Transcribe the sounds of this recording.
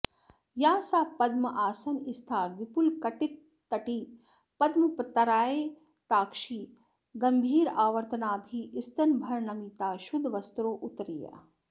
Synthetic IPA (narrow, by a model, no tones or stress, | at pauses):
jaːsaːpɐd̪mɐʔaːsɐnist̪ʰaːʋipulkɐʈit̪ː | ɐʈiː | pɐd̪mɐpt̪ɐɾaːeː | t̪aːkʃiː | ɡɐmbʱiːɾaːʋɐɾt̪ɐnaːbʱiʔɪst̪ɐnbʱɐɾnɐmit̪aːʃud̪ʱʋɐst̪ɾoːʔʊt̪ɾija̰